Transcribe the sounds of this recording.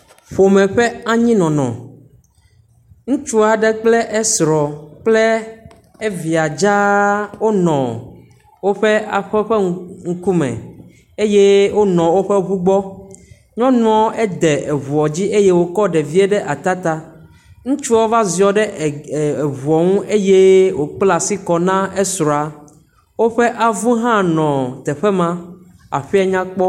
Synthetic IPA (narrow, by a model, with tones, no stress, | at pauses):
ɸo˨mɛ̃˨ɸɛ˦a˦ɲĩ˦nɔ̃˨nɔ̰̃˨ | ŋũ˦t͡ʃu˦a˨ɖɛ˦k͡plɛ˦ʔɛ˦sɾɔ˨k͡plɛ˦ | e˦vi˨a˨d͡ʒa˦wo˦nɔ̃˨ | wo˦ɸɛ˦a˨ɸɛ˦ɸɛ˦ŋ̩˦ku˦mɛ̰̃˨ | e˦je˦wo˦nɔ̃˨wo˦ɸɛ˦βu˦ɡ͡bɔ˦ | ɲɔ̃˦nũ˦ɔ̃˦e˦d̪ɛ˨ʔe˨βu˨ɔ˨d͡ʑi˦ʔe˦je˦wo˦kɔ˦ɖe˨vi˦e˦ɖɛ˦ʔa˨t̪a˦t̪a˦ | ŋũ˦t͡ʃu˦ɔ˦va˦zi˨ɔ˨ɖɛ˦˨e˨βu˨ɔ˨ŋũ˦ʔe˦je˦wo˨k͡pla˨si˦kɔ˨nã˦e˦sɾɔ˨a˨ | wo˦ɸe˦ʔa˨vu˦ɦã˦nɔ̃˨t̪ɛ˨ɸɛ˦mã˦ | a̰˨ɸi˦a˦ɲã˦k͡pɔ˦